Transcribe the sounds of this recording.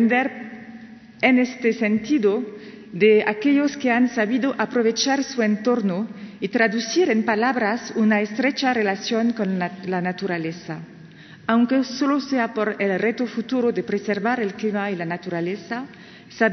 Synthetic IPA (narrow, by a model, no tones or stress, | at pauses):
nd̪eɾ | enest̪esent̪iðo | d̪ea̰keʎoskeansaβiðoʔapɾoβet͡ʃaɾsuent̪oɾnoit̪ɾaðusiɾempalaβɾasunaest̪ɾet͡ʃarelasjoŋkonlanat̪uɾalesa | awŋkesoloseapoɾelret̪ofut̪uɾoðepɾeseɾβaɾelklimailanat̪uɾalesa | sa